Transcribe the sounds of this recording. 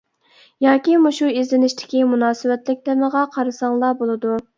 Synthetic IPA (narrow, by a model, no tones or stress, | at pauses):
jɑːkʲimuʃuizlɪnɪʃt̪ʰɪ̥kʲimunɑːsɪwɛt̪lɪk̚ʲt̪ɛməʁɑqʰɑɾɨsɑŋlˠɑbolˠɨd̪u